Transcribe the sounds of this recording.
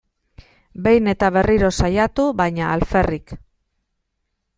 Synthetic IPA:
be̞jne̞t̪aβe̞riɾo̞sajat̪uβajɲaːlfe̞rik

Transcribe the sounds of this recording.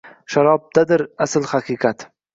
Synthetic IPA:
ʃaɾɒb̚d̪̥ad̪ɪɾasɪlhaqʰɨqɑt̪

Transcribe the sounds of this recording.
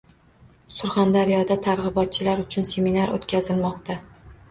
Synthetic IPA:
sʊɾχand̪aɾijɒd̪at̪ʰaɾʁɨbɒt̪̚t͡ʃʰɪlaɾʊt͡ʃʰʊnse̞minaɾo̰t̪kʲazɪlmɒqt̪ʰa

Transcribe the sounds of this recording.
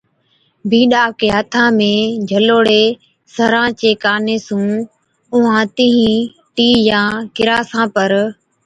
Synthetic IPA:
bʱĩːɗaːkeːat̪ʰãːmẽːd͡ʑʱəloːɽeː | səɾãːt͡ɕeːkaːneːsũː | ʊɦãːt̪ɪɦĩː | ʈiːjãːkɪɾaːsãːpəɾ

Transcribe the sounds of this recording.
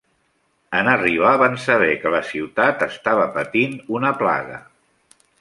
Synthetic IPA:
ənəriβaβansəβ̞ɛkələsiwt̪at̪əst̪aβ̞əpət̪inunəpla̰ɣə̰

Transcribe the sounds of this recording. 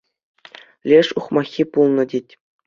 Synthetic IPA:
lʲeʂuχmɑxʲːipulˠnɤ̆dʲetʲ

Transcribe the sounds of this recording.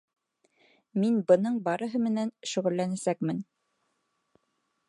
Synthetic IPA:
minbɤ̆nɤɴbɑɾɤ̆ɦɤmɘ̆nænʃɵ̆ʁɵ̆lːænæsækmɘn

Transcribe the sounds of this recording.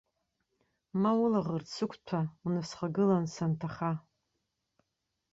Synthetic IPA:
mawʊlaʁərt͡sʰɨkʷʰʼtʷʰaunɨsχaɡɨlansantʰaχa

